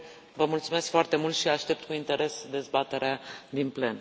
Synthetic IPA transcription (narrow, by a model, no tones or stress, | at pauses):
vəmult̪sume̞skfoart̪e̞mult̪ʃiaʃt̪e̞p̚t̪kuint̪e̞ɾe̞sd̪e̞zbat̪e̞ɾead̪inple̞n